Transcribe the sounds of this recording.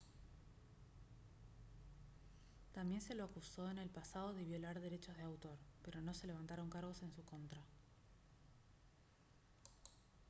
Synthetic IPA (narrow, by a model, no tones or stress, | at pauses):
t̪ambje̞nse̞lo̞akuso̞ene̞lpasaðo̞ð̞e̞βjo̞laɾðe̞ɾet͡ʃo̞zð̞eawt̪o̞ɾpe̞ɾo̞no̞se̞le̞β̞ant̪aɾo̞ŋkaɾɣ̞o̞se̞nsuko̞nt̪ɾa